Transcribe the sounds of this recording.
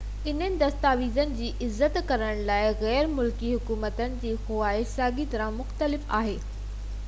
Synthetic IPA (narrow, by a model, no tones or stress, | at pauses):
ɪn̤ənɪ̆d̪ɐst̪aːʋiːzənɪ̆d͡ʑiːʔɪzːət̪kɐɾəɽ̃laːɪɣɛːɾmʊlkiɦʊkuːmət̪ənɪ̆d͡ʑiːxʊʋaːɪsaːɡit̪ɐɾãmʊxt̪əlɪfa̰ːɦeː